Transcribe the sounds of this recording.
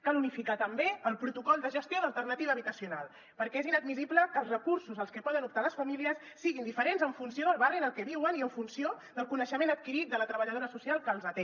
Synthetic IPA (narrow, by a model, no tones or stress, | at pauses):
kalunifikat̪əmbeəlˠpɾut̪ukɔlˠd̪əʒəst̪joðəlˠt̪ərnət̪iβəːβit̪əsiunalˠ | pəɾkɛezinəd̪̚misibləkəːlˠzrəkuɾsuzəlˠskəpɔðənup̚t̪aləsfəmiliəsːiɣind̪ifəɾenzəɱfunsioðəlˠβariənəlˠkɛβiwəniəɱfunsio | d̪əlˠkunəʃəmenət̪̚kiɾit̪̚d̪ələt̪ɾəβəʎəð̞oɾəsusialˠkəːlˠzət̪e